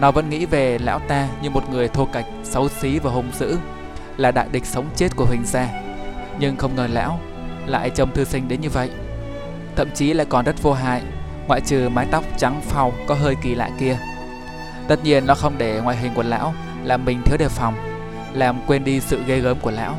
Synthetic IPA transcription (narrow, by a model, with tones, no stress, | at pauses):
nɔ˨˦və̰˧˥nŋḭ˧˥ve˨˩la̰ː˧˥wt̪aː˧ɲɨ˧mo˨˩t̚ŋɨ˨˩əjt̪ʰu˧ka˨˩jk̟̚sə˨˦wsi˨˦vaː˨˩ɦʊ˨˩ŋ͡mzɨ̰˧˥ | laː˨˩ɗa̰ː˧˨jɗï˨˩k̟̚sə˨˦wŋ͡mt͡ɕe˦˥t̚ku˧˩əhï˨˩ŋ̟zaː˧ɲɨ˧ŋxə˧wŋ͡mŋəː˨˩la̰ː˧˥w | la̰ː˧˨jt͡ɕə˧wŋ͡mt̪ʰɨ˧sï˧ŋ̟ɗe˨˦nɲɨ˧və̰˧˨jʔ | t̪ʰə̰˧˨mt͡ɕi˨˦la̰ː˧˨jkɔ˨˩nzə˦˥t̚vo˧ɦa̰ː˧˨j | ŋwa̰ː˧˨jt͡ɕɨ˨˩maː˨˦jt̪a˦˥wk͡p̚t͡ɕa˨˦ŋfa˧˩wkɔ˨˦ɦəː˧jki˨˩la̰ː˧˨jki˧ə | t̪ə˦˥t̚ɲi˧ənːɔ˨˦xə˧wŋ͡mɗe˧˩ŋwa̰ː˧˨jɦï˨˩ŋ̟ku˧˩əla̰ː˧˥w | laː˨˩mːï˨˩ŋ̟t̪ʰi˨˦əwɗe˨˩fɔ˨˩wŋ͡m | laː˨˩mkwe˧nɗi˧sɨ̰˧˨ɣə˧jɣəː˨˦mku˧˩əla̰ː˧˥w